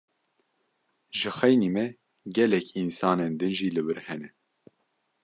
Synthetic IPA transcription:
ʒɨxɛjnimɛ | ɡɛlɛkʰinsɑːnend̪ɨnʒiːlɨwɨɾhɛnɛ

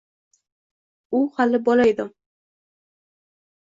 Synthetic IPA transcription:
ʊhalɪbɒlajd̪ʊ

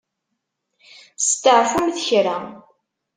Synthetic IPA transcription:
st̪ːəʕfumθçɾa

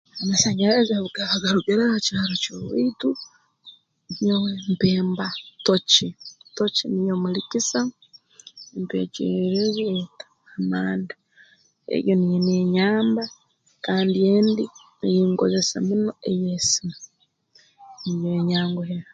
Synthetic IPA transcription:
amasaɲeɾazaβuɡaβaɡaɾuɡeɾahacaːɾocoβitu | ɲowempeːmbatot͡ʃitocinijomulikisa | mpḛːt͡ʃḛɾeβetḁːmaːnda | ḛjonijeneɲaːmba | kaːndieːndi | nijiːŋko̰ze̞sḛmuno̞ejesi̥na | nijoɲaːŋɡoheɾa

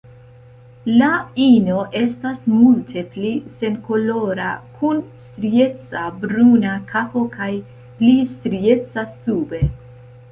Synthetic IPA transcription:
laino̞ʔe̞stasmultʰe̞plise̞nko̞lo̞ɾa̰kʰunstɾie̞t͡sabɾunakʰapo̞kaj | plistɾie̞t͡sasube̞

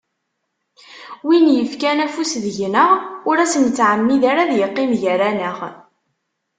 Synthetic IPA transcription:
winjəfkænæfusðəʝnəʁʊɾæsənt͡sːʕəmːiðaɾaðjəqːimʝæɾænəʁ

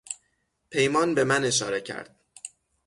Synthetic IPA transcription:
pʰe̞jmɒːnbe̞mæne̞ʃ̬ɒːɾe̞cʰæ̰ɾd̪̥

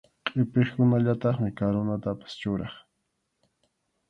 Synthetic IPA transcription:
qʼɪpeχkʊnaʎat̪ɑχmɪkaɾonat̪apḁst͡ʃʊɾɑχ

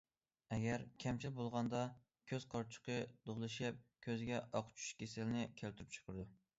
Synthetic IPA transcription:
ɛɡʲæɾkʲʰɛmt͡ʃʰilɪbolˠʁɑnd̪ɑ | kʲʰøzqʰɑɾt͡ʃʰʊ̥qʰəd̪̥oʁlˠɨʃɛp̚kʲʰøzɪɡʲɛʔɑqʰt͡ʃʰu̥ʃkʲʰesɪlnɪkʲʰælt̪ʰyɾyp̚t͡ʃʰə̥qʰəɾɨd̪u

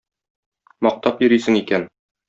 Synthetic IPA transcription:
mɒq̚t̪ɑpjɵ̆ɾijsɘ̆ŋikæn

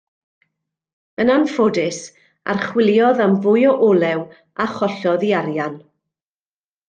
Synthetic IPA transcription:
ənanfodɪs | a̰rχwɪlˠjɔðamvʊjɔʔɔlˠɛw | aχɔɬɔðiaɾjan

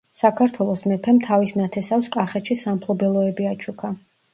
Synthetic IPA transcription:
sakʰaɾt̪ʰwɛlˠɔsmɛpʰɛmt̪ʰavisnat̪ʰɛsafskʼaχɛt̪ʃisampʰlˠɔbɛlˠɔɛbiat͡ʃʰukʰa

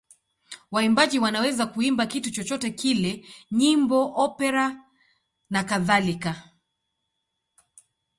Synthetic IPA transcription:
waimbaʄiwanawɛzakuimbakitut͡ʃɔt͡ʃɔtɛkilɛɲimbɔʔɔpɛɾa | nakaðalika

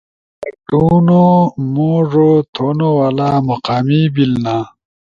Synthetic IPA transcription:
kuʈunomoːʐot̪ʰoːnowalaːmɐqaːmibilnaː

